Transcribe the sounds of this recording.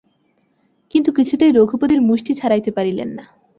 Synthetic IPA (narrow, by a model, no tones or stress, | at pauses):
kint̪ukit͡ɕʰut̪ejɾoɡʱupod̪iɾmuʃʈit͡ɕʰaɾajt̪epaɾilḛnːa